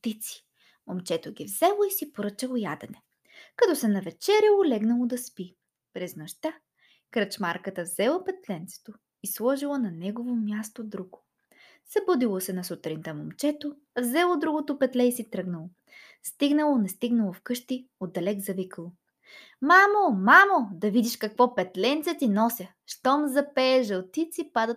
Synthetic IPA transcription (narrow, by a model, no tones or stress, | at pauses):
t̪it̪si̥ | momt͡ʃɛt̪oɡʲivzɛlˠoisipoɾɤt͡ʃəlˠojad̪ɛnɛ | kɐt̪ɔsɛnɐvɛt͡ʃɛɾɛolɛɡnɐlˠod̪ɐspi | pɾɛznɐʃt̪a | kɾət͡ʃmaɾkət̪əvzɛlˠɐpɛt̪lɛnt̪sɛ̥t̪o | islˠɔʒilˠənɐnɛɡovomʲjast̪od̪ɾuɡo̥ | sɐbɔd̪ilˠosɛnɐsut̪ɾint̪əmomt͡ʃɛt̪o | vzɛlˠod̪ɾuɡot̪opɛt̪lɛisit̪ɾɤɡnɐlˠo | st̪iɡnɐlˠonɛst̪iɡnɐlˠofkɤʃt̪iod̪ːɐlɛɡzɐvikəlˠo | mamomamod̪ɐvid̪iʃkɐkvɔpɛt̪lɛnt̪sɛt̪inɔsʲə | ʃt̪ɔmzɐpɛːʒɐlˠt̪it̪sipad̪ət̪̚